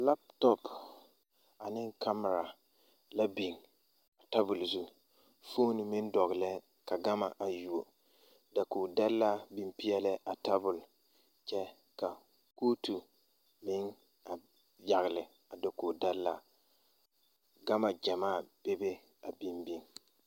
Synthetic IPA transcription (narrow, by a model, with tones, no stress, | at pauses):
la˦p̚tɔ˦p | a˨nɪ˦ŋkʰa˦m˨ɾa˨ | la˦bi˨ŋ | a˨ta˦bʊ˨lzu˦ | fo˦nɪ˨mɪ˦ndɔ˨ɣɪ˨lɛ˦ | ka˨ɡa˦ma̰˨ʔa˨ju˨o˨ | da˨ku˨da˦lːa˦bi˨mpi˦ɛ˦lɪ˦ʔa˨ta˦bʊ˨l | t͡ʃɛ˦ | ka˨ | ko˦tu˨ | mɪ˦n | a˨ | ja˨ɣɪ˨lɪ˨ | a˨do˨ko˨da˦lːa̰˦ | ɡa˦ma˨d͡ʒa˨maː˦˨b̥e˦be˦ | a˨bi˦mbi˦ŋ